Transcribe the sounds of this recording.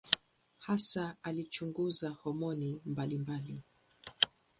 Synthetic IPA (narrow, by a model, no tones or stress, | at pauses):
hasaalit͡ʃuŋɡuzahɔmɔnimbalimbali